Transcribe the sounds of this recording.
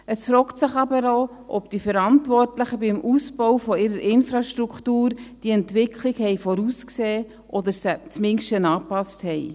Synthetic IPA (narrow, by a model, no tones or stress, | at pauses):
əsfɾɔːktsɪχɑbəɾo | ʔɔpd̥ifəɾɑntʋɔrtləχəbɪmʔusb̥ɔwfɔɪɾəɾʔɪnfɾɑʃtɾukχtuːɾd̥iɛntʋɪkʰliɡhɛɪfɔɾuːskseː | ʔɔd̪əɾsɛt͡smɪŋʃtənɑːpɑsthɛj